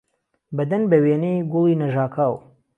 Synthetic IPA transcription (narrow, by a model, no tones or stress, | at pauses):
bɐd̪ɐnbɐweːnejɡʊlˠiːnɐʒaːkʰaːw